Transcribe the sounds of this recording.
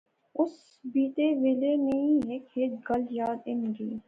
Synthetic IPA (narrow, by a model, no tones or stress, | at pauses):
ʊs | biːt̪eːʋeːleːnəĩːɦeːkʰeːt̪ɡəljaːd̪ɪnɡiː